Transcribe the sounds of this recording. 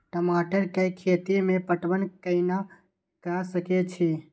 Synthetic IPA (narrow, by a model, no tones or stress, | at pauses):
ʈəmaʈəɾkekʰet̪imepəʈʋənkəɪna | kasəket͡ʃʰi